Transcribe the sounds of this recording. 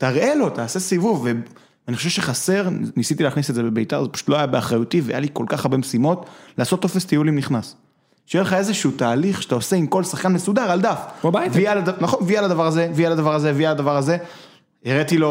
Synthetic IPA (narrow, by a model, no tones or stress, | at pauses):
t̪aʁʔe̞lo̞t̪aːse̞sivuvːe | aniχo̞ʃevʃeχase̞ʁnisit̪ileaχnisetzebe̞bejt̪a̰ʁzepḁʃu̥t̪lo̞ajabeaχʁajut̪ivea̰jaliko̞lkaχaʁbe̞mesimo̞t̪laːso̞t̪o̞fe̞st̪ijulimniχnas | ʃjeleχae̞zeʃuːtaːliχʃet̪ao̞seimko̞lsaχkanmesud̪aʁald̪afbobajtialadanaχonvialad̪avaʁazevialad̪avaʁazevialad̪avaʁaze̞ | eʁet̪ilo̞